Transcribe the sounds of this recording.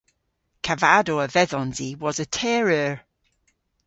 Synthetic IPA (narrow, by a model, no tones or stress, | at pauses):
kʰavadoəvɛðɔ̃nziwɒzətʰɛːɹəɹ